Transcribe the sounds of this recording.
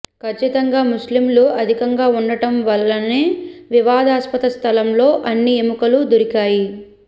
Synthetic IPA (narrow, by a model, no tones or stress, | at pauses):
kʰɐt͡ʃːit̪ɐŋɡaːmuslimluɐd̪ʱikɐŋɡaːunːɐʈɐmʋɐlːɐne̞ːʋiʋaːd̪ʱaːspɐt̪ɐst̪ʰɐlɐmlo̞ːʔɐnːiemukɐlud̪uɾikaːji